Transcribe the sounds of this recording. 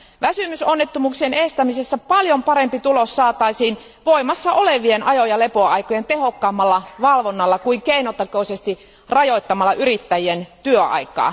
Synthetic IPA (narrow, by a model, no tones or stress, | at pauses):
ʋæsymysonːet̪ːumuːksienest̪æmisesːæpɑljompɑɾempit̪ulosːɑːt̪ɑisiːn | ʋoimɑsːɑʔoleʋienɑjojɑle̞poɑikojent̪ehokːɑːmːɑlːɑʋɑlʋonːɑlːɑkuiŋkeinot̪ːɑkoisest̪i | rɑjoit̪ːɑmɑlːɑʔyrit̪ːæjient̪yøɑ̰ikˑɑ̰ː